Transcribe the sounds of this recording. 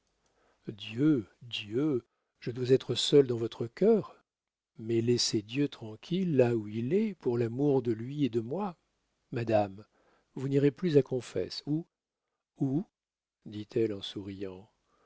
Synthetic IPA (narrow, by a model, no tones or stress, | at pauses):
d̪jød̪jø | ʒ̥əd̪wazɛt̪χəsœld̪ɑ̃vɔt̪χəkʲœʁ | mɛlɛsed̪jøt̪χɑ̃kʲʰilːauilɛpuʁlamuʁd̪əlɥied̪əmwa | mad̪am | vuniʁeplyzakɔ̃fɛ̰su | u | d̪it̪ʰɛlɑ̃suʁijɑ̃